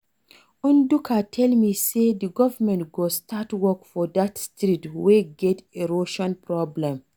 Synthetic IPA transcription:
ũndukʰatʰɛlmisediɡɔvəmɛ̃ntɡostʰatwɔkfɔdatstɾitweɡɛteɹoʃɔ̃npɹɔblɛ̃m

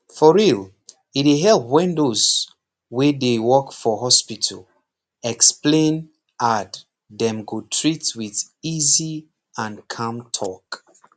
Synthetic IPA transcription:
fɔɹil | ieɦɛlpwĩndoz | wedewɔkfɔɦɔspitʰə̰l | ɛksplẽn | ʔat | dɛ̃mɡutʰɹitwið | izi | ãnkʰãmtʰɔk

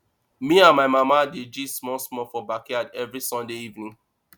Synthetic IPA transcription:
mĩãnmaɪmamadid͡ʒismɔ̃smɔfɔbakiadɛvɹisɔ̃ndeivnĩŋ

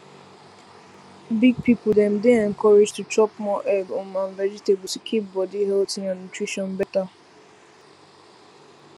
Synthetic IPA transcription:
biɡ̚pʰipʊdɛ̃mdeɛ̃ŋ̩kɔɹed͡ʒtut͡ʃɔp̚mɔʔɛɡɔ̃mãnlɛd͡ʒiteb̩tikʰip̚bɔdiɦɛltɪ̃ŋãnːutɹiʃɔ̃nbɛta

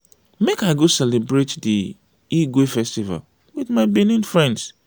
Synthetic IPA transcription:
mekaɪɡosɛlebɹetdi | iɡwefɛstiva̰l | widmaɪbinĩnfɹɛ̃nds

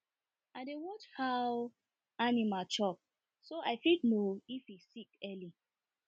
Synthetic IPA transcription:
aɪdewɔt͡ʃhaw | animat͡ʃɔp̚ | soʔaɪfidnoifisikɛli

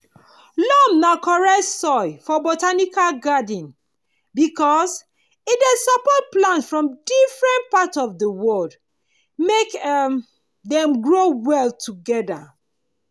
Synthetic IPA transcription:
lɔmnakɔɹɛtsɔɪfɔbotanikalɡadə̃n | bikɔs | idesapɔt̚plãntfɹɔ̃mdifɹɛ̃ntpatɔvdəwɔld | mek | dɛ̃mɡɹowɛltʰuɡɛda

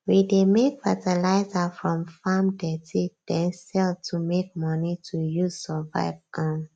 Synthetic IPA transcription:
widemekfatɛlaɪzafɹɔ̃mfamdɛtʰid̥ɛ̃nsɛltʰumek̚mʌnitʰujuzsɔva̰ɪvãn

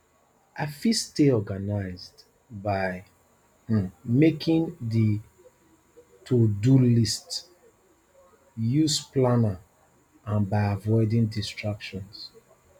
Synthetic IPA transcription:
afisteɔɡanaɪzd | baɪ | mekʰĩndi | tʰodulist | jusplana | ãnbaɪavɔɪdĩndistɹakʃɔ̃ns

